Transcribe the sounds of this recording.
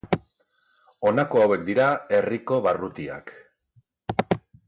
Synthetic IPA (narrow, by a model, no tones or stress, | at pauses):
o̞nako̞awe̞k̚d̪iɾae̞riko̞βarut̪ia̰k